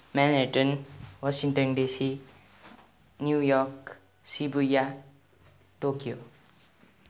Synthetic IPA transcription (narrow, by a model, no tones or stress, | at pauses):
maneʈʌnwasiŋʈʌnɖesi | njujɔk | sibuja | ʈokijo